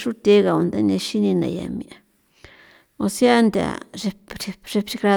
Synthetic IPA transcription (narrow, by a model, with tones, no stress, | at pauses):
ʂu˦t̪ʲe˧˦ɣa˨u˨nd̪a˦nã˧ʃi˦nĩ˧nã̰˨ja̰˨mĩ˧ʔa˨ | o˧sja˦nd̪ʲa̰˨ʐe˧pɾi˧ʐe˧pɾi˧kɾa˧